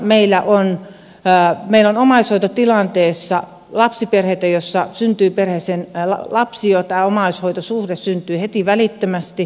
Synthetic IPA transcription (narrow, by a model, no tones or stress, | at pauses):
meilːæʔon | meilonomɑishoit̪ot̪ilɑnt̪eːsːɑ | lɑpsiperheit̪æjosːɑsynt̪yːperhesenlɑ̰lɑpsiot̪æːomɑishoit̪osuhdessynt̪yːhet̪iʋælit̪ːømæst̪i